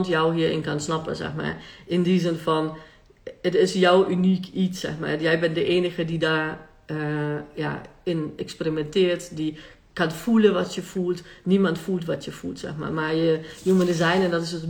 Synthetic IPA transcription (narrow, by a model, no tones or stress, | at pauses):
ntjɔwɦiəɪ̰nkansnɔpə̰sɛ̰xma̰rɪndizɪnfɔn | ətɪsjɔwʔynikʰitsɛ̰xma̰rjɛjbɪndəʔeːnəɣədida | ja̰ɪnɛksperimɛntɪərtdi | kanfulˠəʋɔtjəfuːlˠtnimantfulˠtʋɔtʰjəfulˠtsɛ̰xma̰rmajəjuməndəzɛjnɛndɔtɪsət